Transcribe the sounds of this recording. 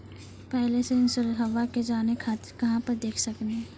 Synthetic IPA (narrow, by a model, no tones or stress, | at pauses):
pɛɦleseɪnsʊɾət̪ɦəʋaked͡ʒaːnekʰaːt̪ɪɾkɐɦãpɐɾd̪eːkʰsɐkneɦ